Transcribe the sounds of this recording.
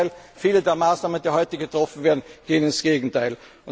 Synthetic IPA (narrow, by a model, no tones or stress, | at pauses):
ɪlfiːləd̪eːɐmaːsnaːmənd̪iːhɔʏt̪əɡət̪ʁɔfn̩ʋeːɐdn̩ɡ̥eːənɪnsɡ̥eːɡŋ̩t̪ʰaɪl